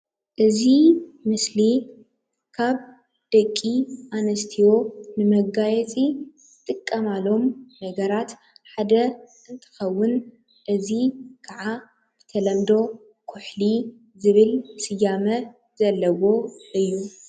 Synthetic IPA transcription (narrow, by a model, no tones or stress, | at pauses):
ʔɨzimɨsli | kʰaβ | d̪̥ɐkʼːiʔanɐst̪ʰiwo̞nɨmɐɡajɛt͡sʼi | ɨt̪ʼɨkʼːɐmalo̞mːɐɡɐɾat̪ | ħad̪ɐ | ɨnt̪ʰɨ̥xɐwːʊn | ʔɨzikʰaʕa | b̥ɨt̪ʰɐlɐmd̪o̞ | kʰʊħli | zɨβɨlsɨjamɐ | zɐlːɐwo̞ʔɨjːu